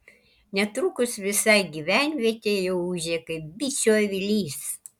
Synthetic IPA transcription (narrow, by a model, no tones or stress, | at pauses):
nʲɛt̪ɾukʊsʋʲɪsɐɪɡʲiʋʲænʲʋʲiɛt̪ʲeːjɛʊuʒʲeːkɐɪp̚bʲit͡ʃʲoːjʋʲɪlʲiːs